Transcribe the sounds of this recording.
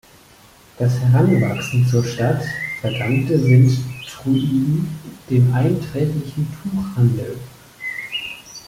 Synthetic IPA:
d̥ashɛʁanvaksn̩t͡suːɐʃtatfɛɐdaŋktəzɪnttʁ̥uʔiːdn̩d̥eːmʔaɪntʁ̥ɛːklɪçn̩tʰuːχhandl̩

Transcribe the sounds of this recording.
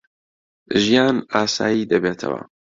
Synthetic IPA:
ʒijaːnaːsaːjiːd̪ɐbeːt̪ʰɐ̰wɐ̰

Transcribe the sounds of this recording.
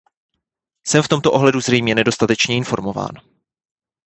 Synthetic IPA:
sɛmft̪o̞mt̪oʔo̞ɦlɛduzrɛjmɲɛnɛdo̞st̪at̪ɛt͡ʃɲɛɪnfo̞ɾmo̞va̰ːn

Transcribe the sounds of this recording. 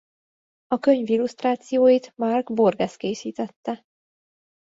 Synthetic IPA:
ɒkø̞ɲvilust̪raːt̪sijoːjit̪mɒrɡborɡɛskeːsiːt̪ɛt̪ːɛ

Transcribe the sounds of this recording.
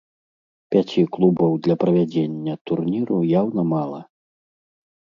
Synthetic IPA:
pʲat͡sʲiklˠubɔwd̪lʲɐpɾɐvʲad͡zʲenʲːɐt̪urnʲiɾujawnɐmalˠɐ

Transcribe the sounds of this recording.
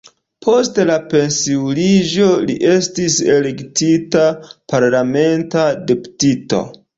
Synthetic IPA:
pʰo̞stlape̞nsiwlid͡ʒo̞liʔe̞stise̞le̞ktitapaɾlame̞ntadepu̥tito̰

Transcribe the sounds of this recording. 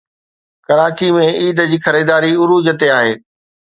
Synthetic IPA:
kɐɾaːt͡ɕimẽiːd̪əd͡ʑiːxɐɾiːd̪aːɾiʊɾuːd͡ʑət̪eaːɦeː

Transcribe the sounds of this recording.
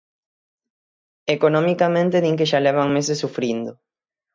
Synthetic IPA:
ekonõmikamẽnt̪enĩŋk̬eʃalɛβaŋmesesːufɾind̪ʊ

